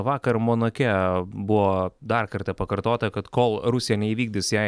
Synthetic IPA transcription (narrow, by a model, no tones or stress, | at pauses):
ʋɑːkɐɾmoːnɐkʲɛbʊʋoːd̪ɐrkɐɾt̪ʲɐpɐkɐɾt̪oːt̪ɐkɐt̪koːlˠɾʊsʲɪjɛnʲɛiːʋʲiːɡ̚dʲɪsjɛɪ